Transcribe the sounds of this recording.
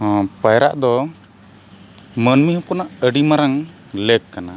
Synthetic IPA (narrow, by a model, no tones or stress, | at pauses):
pajɾa̰ʔd̪ɔ | mənmihɔ̃kɔnaʔəɖimaɾaŋ | lɛɡ̚kːana